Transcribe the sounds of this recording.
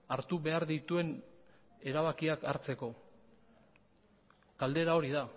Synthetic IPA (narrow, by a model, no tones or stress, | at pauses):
aɾt̪uβe̞aɾðit̪ue̞n | e̞ɾaβakiakaɾt͡se̞ko̞ | kald̪e̞ɾao̞ɾiða